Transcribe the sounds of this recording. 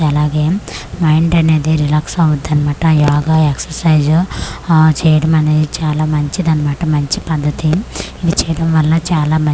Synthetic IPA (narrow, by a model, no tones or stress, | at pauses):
ɐlaːɡeːmɐjɳʈɐne̞ːd̪iɾilaːksɐwud̪ːɐnːimaːʈɐjaːɡaːeksɐsɐjd͡ʒ | t͡ʃɛːjɐɽɐmɐne̞ːd̪it͡ʃaːlaːmɐɲt͡ʃid̪ɐnːimaːʈɐmɐɲt͡ʃipɐd̪ːɐt̪iid̪it͡ʃɛːjɐɽɐmʋɐlːɐt͡ʃaːlaːmɐ